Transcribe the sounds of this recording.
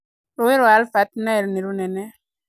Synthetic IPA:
ɾuiɾwalfat̪naɾniɾunɛnɛ

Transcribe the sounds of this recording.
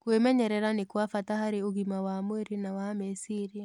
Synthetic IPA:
kwemɛɲɛɾɛɾanekwafatahaɾeoɣimawamoeɾenawamesiɾia

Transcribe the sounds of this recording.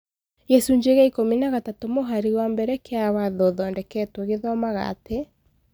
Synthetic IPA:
jɛsuɲd͡ʒeɣaikominaɣatatomoɦaɾiɣwambɛɾɛkeawaðɔðɔɛndɛkɛtwoɣeðɔmaɣa̰te

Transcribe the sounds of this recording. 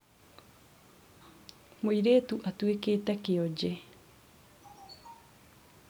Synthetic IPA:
moiɾeːt̪uʔat̪uekeːt̪akeod͡ʒe

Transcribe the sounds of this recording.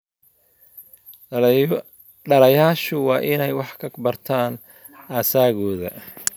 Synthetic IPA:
ɖɐlɐjaːʃʊwɑːʔɪnɛjwɑħkʰɐbɐrt̪ʰaːn | aːsaːɣɔːðɐ̰

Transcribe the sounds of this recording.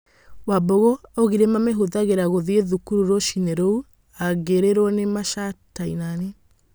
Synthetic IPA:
wabɔɣɔoɣiɾemameɦoðaɣeɾaɣoðieðukuɾuɾoʃineɾɔu | aɡeɾeɾwɔnemaʃataḭnani

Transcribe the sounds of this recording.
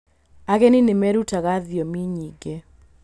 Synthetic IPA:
aɣɛninemɛɾutaɣaðjɔmiɲiɡe

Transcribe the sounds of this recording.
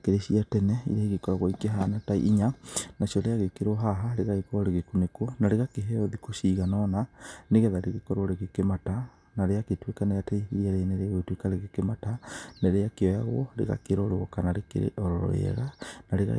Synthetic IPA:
keɾeɕiatɛnɛḭɾaiɣekɔɾɔɣɔikeɦanataḭʔiɲanaɕɔɾeaɣekeɾoɦaɦaɾeɣaɣekɔɔɾeɣekunekonaɾeɣakeɦeɔðikoʃiːɣanɔnaneɣɛðaɾeɣekɔɾoɾeɣekemata | naɾeaketwekaneataiiɾeaɾeneɾeaɣoitwekaɾeɣekematanaɾeakeɔjaɣwɔɾḛɣa̰keɾoɾoɔkanaɾekḛɾḛʔɔɾɔɾɔ̰ɾḛɛ̰ɣanaɾeɣa̰

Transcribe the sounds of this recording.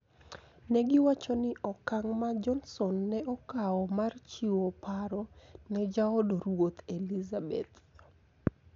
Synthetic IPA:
nɛɡɪwat͡ʃɔnɪʔɔkaŋmad͡ʒɔnsɔnːɛɔkaɔmart͡ʃiwopaɾɔnɛd͡ʒaɔdoɾwot̪elizabḛt̪

